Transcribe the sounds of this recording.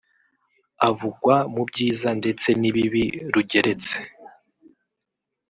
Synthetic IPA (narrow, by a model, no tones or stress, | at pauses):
avuɡwamubɟiːzande̞t͡se̞niβiβiɾuɟe̞ɾe̞t͡se̥